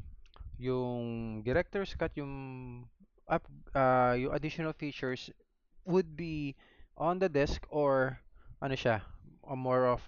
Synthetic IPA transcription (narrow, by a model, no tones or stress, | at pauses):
jʊŋd̪ɛɾɛk̚t̪ɔɹskɐt̪jʊŋ | ʔɐp̚ajʊŋʔɐ̰d̪ɪʃɔnɐlfiːt͡ʃʊɹs | wʊd̪̚bi | ʔɔ̃nd̪ɐd̪ɛskɔɹʔɐnoʃamɔɹɔf